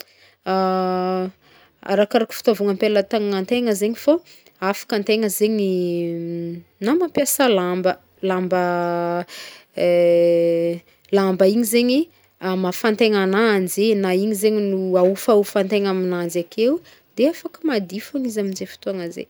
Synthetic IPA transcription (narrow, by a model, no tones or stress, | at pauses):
a | a̰ɾakaɾaki̥fi̥t̪avuŋəmpelət̪aŋŋant̪eŋəzeɲifa | afḁkant̪eŋəzeɲi | namapjasalambə | lambə | lambəiɲizeɲi | amafant̪eŋanand͡zenaiɲizeɲinuaufaufant̪eŋaminanzakʰewu | d̪eafakəmad̪ifaŋizaminzefi̥t̪oaŋəzḛ